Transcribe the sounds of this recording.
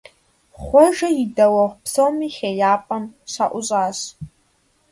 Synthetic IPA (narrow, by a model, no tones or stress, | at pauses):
χʷɔʒɐidɐwɐʁʷpʰsowmiχʲejaːpʼɐmʃʷa̰ʔʷʊɕʼaːɕ